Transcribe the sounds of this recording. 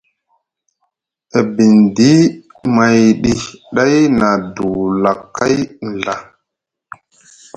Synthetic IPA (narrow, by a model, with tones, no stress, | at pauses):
e˨bi˨ndi˦ | ma˨jɗi˦ɗa˦jna˨du˨la˨kːa˦jn̩˨ɮa˨